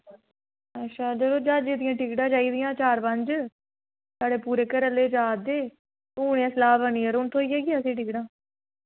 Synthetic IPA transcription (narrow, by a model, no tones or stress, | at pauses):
ətːʃʰaːd͡ʒəd̪oːd͡ʒaːd͡ʒiːd̪ɪjãːʈɪkɖãːt͡ʃaːiːd̪ɪjãːt͡ʃaːɾpəɲd͡ʒ | saːɽeːpuːɾeːkəɾəleːd͡ʒaːd̪eː | uːɽ̃ejãːsəlaːbəniːəɾʊnt̪ʰõːiːeːɡiaːsĩːʈɪːkɽãː